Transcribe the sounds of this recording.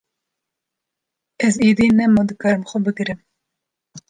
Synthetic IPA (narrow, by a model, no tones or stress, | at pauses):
ɛziːd̪inɛmod̪ɨkɑɾɨmxʊbɨɡɨɾɨm